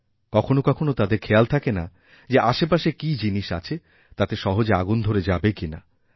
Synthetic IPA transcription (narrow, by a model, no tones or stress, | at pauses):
kɔkʰonokɔkʰonot̪ad̪eɾkʰealt̪ʰakena̰ | d͡ʑeʔaʃepaʃekid͡ʑiniʃa̰t͡ɕʰe | t̪at̪eʃɔɦod͡ʑea̰ɡund̪ʱoɾed͡ʑabekina̰